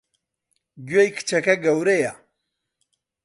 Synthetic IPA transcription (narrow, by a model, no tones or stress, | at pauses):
ɡɥejkʰɨ̥t͡ʃʰɐkɐɡɐwɾeja